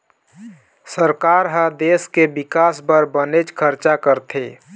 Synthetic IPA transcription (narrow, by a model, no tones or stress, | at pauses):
səɾkaɾɦəd̪eskebɪkasbəɾbənet͡ʃkʰəɾt͡ʃakəɾt̪ʰe